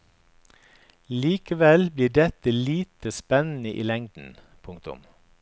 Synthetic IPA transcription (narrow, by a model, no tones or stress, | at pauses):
liːkəʋɛlbliːɖɛt̪əliːt̪əspɛnn̩əʔḭːlɛŋd̪n̩ | pʰʊŋkt̪ʊ̰m